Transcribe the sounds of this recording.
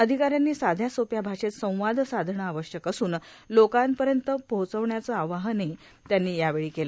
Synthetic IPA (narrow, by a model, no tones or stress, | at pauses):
əd̪ʱikaɾjanːiːsad̪ʱjasopjabʱaʂet̪sə̃w̃ʋad̪ʱsad̪ʱɳəaʋəɕjəkəsuːn | lokãnpəɾjənt̪əpəwt͡səʋɳjat͡səaʋaɦəne | t̪janːiːjaʋeɭiːkela